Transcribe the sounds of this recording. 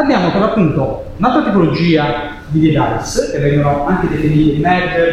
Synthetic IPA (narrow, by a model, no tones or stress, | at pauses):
ad̪jaːmokomapːunt̪o | nasuɾat̪ipolod͡ʒiːa | d̪id̪id̪ajskevːɛŋɡonoaŋked̪efiniːt̪id̪imɛd̪ə